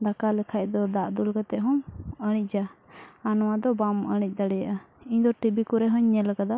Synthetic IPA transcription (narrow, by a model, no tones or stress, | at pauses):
d̪akalɛkʰaʔ̚d̪ɔd̪aʔd̪ulɡat̪ɛʔɦɔŋəɽ̃ic̚ˀd͡ʒaanɔwad̪ɔbaməɽ̃ic̚ˀd̪aɽɛjaʔa | iɲd̪ɔʈibikuɾɛɦɔɲːɛlakad̪a